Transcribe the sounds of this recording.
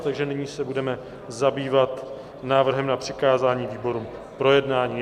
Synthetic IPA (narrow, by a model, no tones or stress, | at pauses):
t̪aɡʒɛnɪɲiːsɛbudɛmɛ | zabiːvat̪ | naːvr̩ɦɛmnapr̝̥ɪkaːzaːɲiːviːbo̞ɾuːm | pɾo̞jɛdnaːɲiː